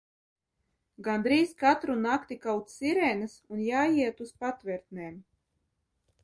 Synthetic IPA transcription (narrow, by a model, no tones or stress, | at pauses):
ɡand̪ɾiːskat̪ɾunakt̪ikawt̪siɾɛnɨsunjaːjiɛt̪uspat̪vɛɾt̪nʲɛːm